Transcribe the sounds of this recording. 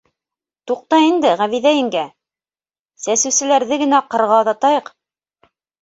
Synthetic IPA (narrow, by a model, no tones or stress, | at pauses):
t̪uq̚t̪ɑind̪ɘʁæβiðæjɘ̆ŋɡæ | sæsɘ̆wsɘ̆læɾðɘɡɘ̆næqɤ̆ɾʁɑðɑt̪ɑjɤq